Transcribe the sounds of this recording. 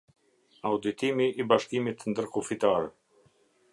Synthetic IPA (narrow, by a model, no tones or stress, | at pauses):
awd̪it̪imiʔːbaʃkimit̪nd̪əɾkufit̪aɾɛ